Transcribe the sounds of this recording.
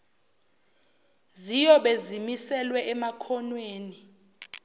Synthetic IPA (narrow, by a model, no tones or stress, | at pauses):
zijɔɓezimisɛlwɛʔɛmakʰɔnweːni